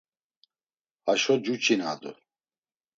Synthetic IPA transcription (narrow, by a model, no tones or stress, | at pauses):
aʃɔd͡ʒut͡ʃʰina̰ːd̪u